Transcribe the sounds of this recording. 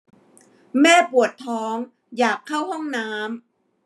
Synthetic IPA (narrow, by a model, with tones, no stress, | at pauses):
mɛː˥˩pu˨˩ət̪ʰːɔː˦˥ŋ | jaː˨˩kʰːa˥˩whɔ˥˩ŋnaː˦˥m